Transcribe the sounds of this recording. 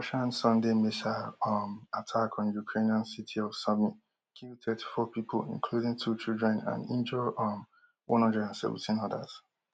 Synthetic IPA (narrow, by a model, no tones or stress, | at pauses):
ʃãnsɔ̃ndemiʃamatʰakʰɔ̃njukʰɹeniãnsitʰiɔv̥sɔmi | kʰitʰɛtʰi̥fɔpipʰo̰lḭ̃nkʰludɪ̃ŋtʰut͡ʃildɹɛ̃nã̰nḭ̃nd͡ʒɔm | wʔɔ̰̃nɔ̃nd͡ʒɛãnsɛ̰v̰̩tʰĩnɔda̰z̥